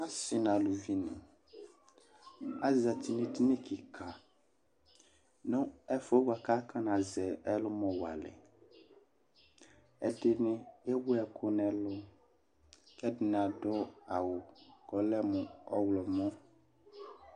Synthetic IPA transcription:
a˦sɪ˨nã˨lu˨vi˨nɪ̰̃˨ | a˦za˨t̪i˨nɪ̃˨ti˦nẽ˦ki˨kʰa˨ | nʊ̃˦ɛ˦fo˦wa˨ka˦ka˦nã˨zɛ˨ɛ˦lʊ˦mɔ̃˨wa̰˨lɪ̰˨ | ɛ̰˦ɖɪ˦nɪ̃˦e˦wʊ˦ɛ˨kʰʊ˦nɛ̃˨lʊ˦ | kɛ˦dɪ˨n˨ã˨ɖɔ˦a˨wʊ˨kɔ˨lɛ˦mũ˨ɔ˦wlɔ˨mɔ̃˦

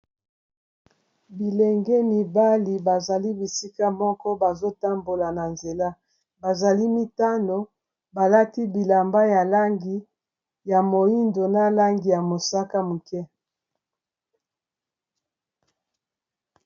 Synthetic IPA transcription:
bi˨lɛ˨ŋɡɛ˦mi˨ba˦li˨ba˨za˨li˦bi˨si˦ka˦mɔ˦kɔ˦ba˨zo˦ta˦mbo˨la˨na˨nze˨la˦ | ba˨za˨li˦mi˦ta˦no˨ | ba˨la˦ti˦bi˨la˨mba˦ja˨la˦ŋɡi˦ | ja˨mo˨i˦ndo˨na˦la˦ŋɡi˨ja˨mo˨sa˦ka˦mu˨kɛ˦

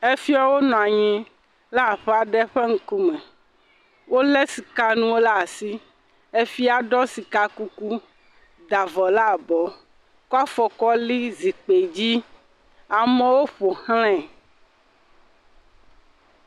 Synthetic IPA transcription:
e˦fi˦a˦wo˦nɔ̃˨a˨ɲɛ̃˦ | la˦˨ɸɛ˦a˨ɖɛ˦ɸe˦ŋ̩˦ku˦mɛ̃˨ | wo˦lɛ˦si˨ka˦nũ˦wo˦la˦˨si˦ | e˦fi˦a˨ɖɔ˦si˨ka˦ku˦ku˦ | d̪a˨vɔ˨la˦˨bɔ˨ | ka˦fɔ˨kɔ˦li˦zi˨k͡pe˨d͡ʑi˦ | a˨mẽ˦wo˦ɸo˨hl̃ɛ̃˦˨

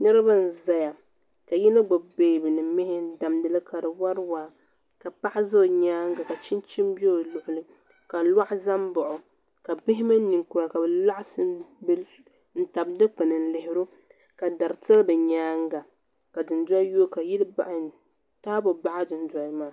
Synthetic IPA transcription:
nɨ˦ɾɨ˦ba˦n̩˨za˨ja˨ | ka˨ji˦nɨ˦ɡ͡bʊ˨beː˨bɨ˨nɨ˨mɪ˦hɪ˦da˨mdɨ˨lɨ˦ka˨dɨ˨wa˦ɾwaː˦ | ka˨pa˦ʔɪ˦zo˦˨ɲaː˦ŋ˦ɡa˨ka˨t͡ʃi˦nt͡ʃi˦mbi˦o˦lʊ˨ʔʊ˨lɨ˦ | ka˨lwa˦ʔza˦mbʊ˨ʔʊ˨ | ka˨bɪ˦ɦɪ˦ma˦ni˨ŋku˨˦a˨ka˨bɛ˨la˦ʔsɨ˦b | n̩˦ta˨bdɨ˦k͡pɨ˨nɨ˨n̩˦lɪ˨ɦɪ˦ɾu˦ | ka˨da˨ɾɨ˨tɨ˦lbɨ˨ɲaː˦ŋ˦ɡa˨ | ka˨dɨ˨ndwa˦joː˦ka˨ji˦lba̰˨ʔ | taː˦bʊ˨ba˦ʔa˦dɨ˨nda˨˦maː˦˨

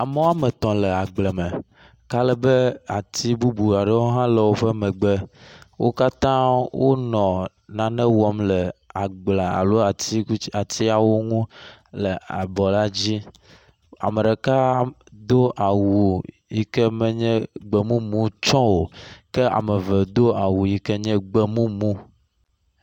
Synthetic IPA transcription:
a˨me˦wo˦a˦me˨t̪ɔ̃˨le˨a˨ɡ͡blɛ˨me˨ | ka˦lɛ˨be˦a˨t̪i˦bu˦bu˨a˨ɖɛ˦wo˦ɦã˦le˨wo˦ɸɛ˦mɛ˨ɡ͡be˦wo˦ka˦t̪ã˦wo˦nɔ̃˨ | nã˨nɛ̃˦wɔ˦mlɛ˨a˨ɡ͡bla˨a̰˨lo˦a˨ti˦ku˦a˨t̪i˦a˨wo˦ŋũ˦lə˨a˨bɔ˨la˦d͡ʑi˦ | a̰˨mə˨ɖe˨ka˦ | d̪o˦ʔa˨wu˨ | ji˦kɛ˦mɛ˦ɲɛ̃˦ɡ͡bɛ˨mũ˦mũ˦t͡ʃɔ̃˦wo˨kɛ˦a̰˨mə˨ve˨d̪o˦a˨wu˨ji˦kɛ˦ɲɛ̃˦ɡ͡be˦mũ˦mũ˦

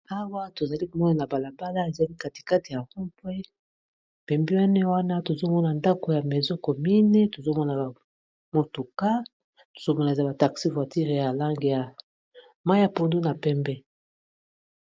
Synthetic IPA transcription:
a˦wa˦to˨za˨li˦ko˨mɔ˦na˨na˨ba˨la˨ba˦la˦e˨za˦li˦ka˨ti̥˨ka˦ti˨ja˨ʁu˦pwe˦ | pɛ˨mbi˦wa˦ne˦wa˦na˦to˨zo˦mɔ˦na˨nda˦ko˨ja˨me˨zɔ˦ko˨mi˦ne˦to˨zo˦mɔ˦na˨a˨ | mo˨tu˨ka˦ | to̥˨z̥o˦mɔ˦na˨e˨za˦ba˨ta˨ksi˦vwa˨ti˦ʁe˨ja˨la˦ŋɡe˨ja˨ | ma˦ja˨po˦ndo˦na˨pɛ˦mbɛ˦

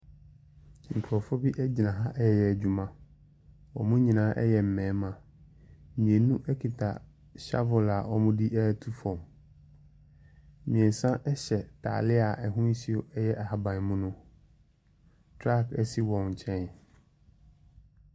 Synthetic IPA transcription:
ŋ̩˨kʰʊ˨ɾɔ˨fɔ˦bi˦ʔæ˦d͡ʑi˨nã˨ɦã˦ʔɛ˦jɛ˨jɛ˨æ˨d͡ʑᶣu˨mã˦˨ | wɔ̰˨mʊ̃˦ɲĩ˨nãː˨˦ʔɛ˦jɛ˨m̩˨mɛ̃ː˨˦mã˨˦ | mĩ˨ẽ˨nũ˦ʔɛ˦kʰi˨tʰa̰˨ | ɕa̰˦vʊ˨la˨ɔ˨mʊ̃˦di˦ʔæ˦˨tʰu˦fɔ̃˨m | mĩ˨ɛ̃˨n˨sã˦ʔɛ˦ɕɛ˨tʰa̰ː˨lɪ˦a˨ʔɛ˨ɦʊ̃˦n˦si˦o˦ɛ˦jɛ˦ʔa˨ha˨bã˨n˨˦mʊ̃˦nʊ̃˦ | tʰɾa˦˨kɛ˦si˦wɔ̃˨n˨t͡ɕʰɛ̃˦n

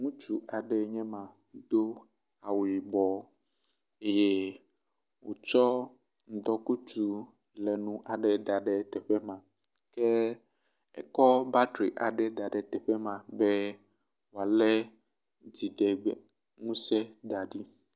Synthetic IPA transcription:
ŋũ˦t͡ʃu˨ʔa˨ɖɛ˨ɲɛ̃˦mã˨ | d̪̥o˦ | a˨wi˨bɔ˨ | e˦je˦ | wo̰˨t͡ʃɔ˦ | ŋ̩˨˦d̪ɔ˦ku˦t͡ʃu˦ | lɛ˨nũ˦ʔa˨ɖɛ˨d̪a˨ɖɛ˨t̪ɛ˨ɸɛ˦mã˨ | ke˦ | ɛ̰˨kɔ˦ba˦dɾi˨ʔa˨ɖɛ˨d̪a˨ɖɛ˨t̪ɛ˨ɸɛ˦mã˨be˦ | wo˨a˨lɛ˦ | d͡ʑi˨ɖe˨ɡ͡be˨ | ŋũ˦se˦d̪a˨ɖi˦

